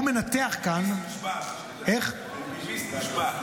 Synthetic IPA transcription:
me̞nat̪eaχkan | eχ

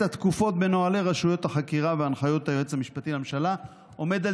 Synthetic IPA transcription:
at̪kufo̞t̚be̞no̞ale̞ʁaʃujo̞thaχakiʁaveanχajothajoet͡samiʃpatilamʃala | o̞me̞d̪al

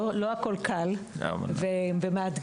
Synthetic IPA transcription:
loakolkʰal | a̰mvevemead̪

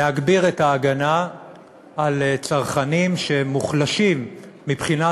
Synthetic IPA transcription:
aɡbiʁetaːɡanaː | lt͡saʁχanimʃemuχlaʃimːipχina

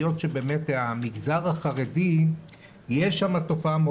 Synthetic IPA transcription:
jo̞tʃebe̞ːmetamiɡzaʁaχaʁedi | jeʃamato̞faame

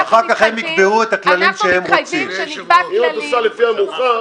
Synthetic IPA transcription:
aχaʁkaχhemikbe̞huet̪aklalimʃehe̞mʁot͡simiot̪oʃalefiamuχa

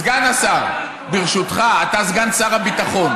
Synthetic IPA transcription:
ɡanasaʁ | biʁʃut̪χaːt̪azɡansaʁabit̪aχo̞n

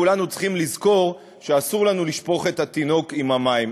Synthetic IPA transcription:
ulanut͡sχimlizko̞ʁ | ʃeasuʁlanuliʃpo̞χe̞t̪at̪ino̞kimamaim

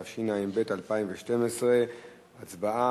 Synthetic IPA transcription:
avʃinaimbe̞talpaimveʃte̞mesʁe̞ | at͡sbaa

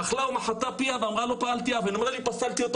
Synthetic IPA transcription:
aχlawmaħat̪ːapiaveamʁalopaalt̪iavenmad̪alipasalt̪iot̪

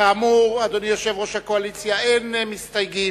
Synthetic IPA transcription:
aːmuʁad̪onijoʃevʁoʃhakoalit͡sjaenmist̪ajɡi

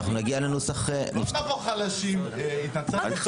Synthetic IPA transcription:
χnunaɡialenusaχenifavoχalaʃimit̪at͡saa

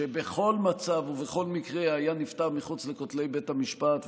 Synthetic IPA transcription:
ebe̞χo̞lmat͡savuveχo̞lmikʁeajanift̪aʁmiχut͡slekot̪le̞jbe̞tamiʃpat̪

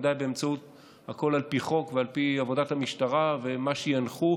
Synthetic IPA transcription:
d̪ajbeemt͡saut | hako̞lalpiχo̞kvealpiavo̞dathamiʃtaʁave̞maʃejanχu

